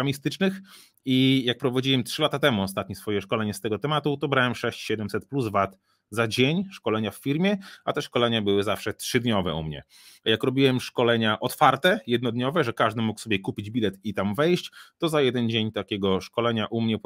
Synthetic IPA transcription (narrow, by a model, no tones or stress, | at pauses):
amʲist̪ɘt͡ʂnɘx | ijak̚pɾɔvad͡ʑiwɛmtʂɘlat̪at̪ɛmuɔst̪at̪ɲɛsfɔjɛʂkɔlɛɲɛst̪ɛɡɔt̪ɛmat̪ut̪ɔbɾawɛmʂɛɕt͡ɕɕɛd̪ɛmsɛt̪̚pluzvat̪ | zad͡ʑeɲʂkɔlɛɲaffʲiɾmʲjɛat̪ɛʂkɔlɛɲabɘwɘzafʂɛtʂɘd̪ɲɔvɛ̰ṵmɲɛ̰ | ajakɾɔbʲiwɛmʂkɔlɛɲaʔɔt̪faɾt̪ɛjɛd̪nɔd̪ɲɔvɛʐɛkaʐd̪ɘmuksɔbʲjɛkupʲid͡ʑbʲilɛt̪it̪amvɛjɕt͡ɕt̪ɔzajɛd̪ɛnd͡ʑeɲt̪akʲɛɡɔʂkɔlɛɲaʔumɲɛ